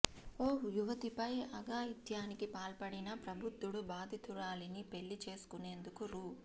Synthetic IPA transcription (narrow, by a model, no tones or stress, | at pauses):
oːjuʋɐt̪ipɐjɐɡaːjid̪jaːnikipaːlpɐɽinɐpɾɐbʱut̪ːuɽubaːd̪ʱit̪uɾaːlinipe̞ɭːit͡ʃe̞ːsu̥kune̞ːnd̪ukuɾuː